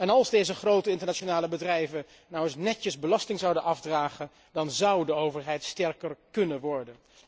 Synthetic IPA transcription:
ɛnɑlˠzdejzəχrowtəɪntəɹnat͡ʃonaːləbədrɛjvə | nɔwəsnɛtəzbəlɑstɪŋzɑwdənʔɑfdraːχən | dɑnzɑwdəowvəɹɦɛjtstɛɹkərkɵnənʋɔɹdən

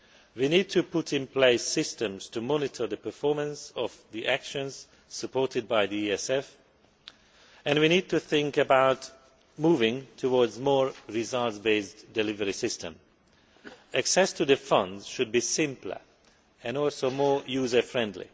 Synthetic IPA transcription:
winid̚tʰupʊtɪ̃npʰl̥eɪsɪstə̃mz̥tumɔnɪtʰə˞ðəpə˞fɔɹmə̃nsɔvðiʔækʃə̃nz̥ | səpʰɔɹtɨd̚baɪðiiɛsɛf | ɨ̃nwinid̚tuθɪ̃ŋkɨbaʊt | muvɪ̃ŋtʰəwɔɹdzmɔɹɪzʌltsbeɪsdɨlɪvəɹisɪstʰə̃m | æksɛstʰɨðəfʌ̃ndz̥ʃɨd̚bisɪ̃mplə̰˞ | ɛ̃nɔlˠsoʊmɔɹjuzə˞fɹɛ̃ndˡlḭ

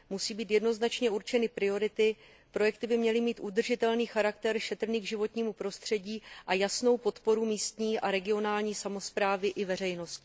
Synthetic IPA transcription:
musiːbiːt̪jɛdno̞znat͡ʃɲɛuɾt͡ʃɛnɪpɾɪo̞ɾɪt̪ɪ | pɾo̞jɛkt̪ɪbɪmɲɛlɪmiːt̪ʔud̪r̩ʒɪt̪ɛlniːxaɾakt̪ɛɾʃɛt̪r̩niːɡʒɪvo̞t̪ɲiːmupɾo̞st̪r̥ɛɟiːʔajasno̞wpo̞t̪po̞ɾumiːst̪ɲiːʔaɾɛɡɪo̞naːlɲiːsamo̞spɾaːvɪʔɪvɛr̝ɛjno̞st̪

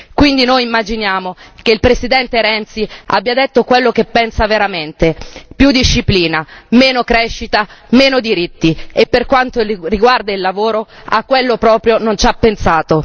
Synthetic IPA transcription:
kwind̪inojimːad͡ʒinjaːmok̟eilpɾesid̪ɛnt̪eɾɛnt̪sia̰bːjad̪et̪ːokwelːokepːɛnsaveɾament̪epjud̪iʃːipliːnameːnokɾɛʃːit̪ameːnod̪iɾit̪ːiepːerkwant̪oriɡward̪ailːavoːɾoakːwelːopɾɔːpɾjonont͡ʃapːensaːt̪o

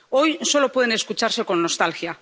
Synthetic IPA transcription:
o̞jso̞lo̞pwe̞ðe̞ne̞skut͡ʃaɾse̞ko̞nːo̞st̪alxja

